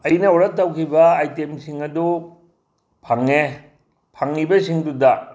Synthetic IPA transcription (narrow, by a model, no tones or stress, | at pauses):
ɐjnɐoɾɐtːɐwkʰibɐajtemsiŋɐdu | pʰaŋːe | pʰaŋnibɐsiŋdudɐ